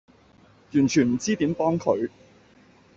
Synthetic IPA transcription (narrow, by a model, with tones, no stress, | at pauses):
jyː˨˩nt͡ʃʰyː˨˩nm̩˨˩t͡siː˥t̪i˨˥mpɔː˥ŋkʰɵ˨˧ɥ